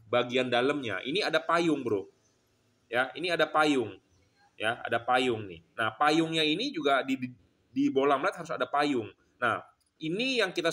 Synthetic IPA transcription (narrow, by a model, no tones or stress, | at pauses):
baɡiandaləmɲa̰ʔḭniadapajʊŋbəɾʊ | jainiadapajʊŋ | jaa̰dapajʊŋnɪ̰hnahpajʊŋɲainid͡ʒuɡadi | dibolamlat̪̚haɾʊs̬adapajʊŋ | nah | inijaŋkit̪a